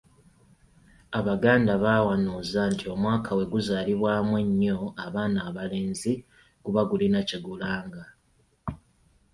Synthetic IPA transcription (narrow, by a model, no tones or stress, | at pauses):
aβaɡaːndaβaːwanuːzantʰio̞mwaːkʰawe̞ɡuzaːliβwaːmwe̞ɲːo̞aβaːnaːβale̞ːnzi | kuβaɡulinaciɡulaːŋɡa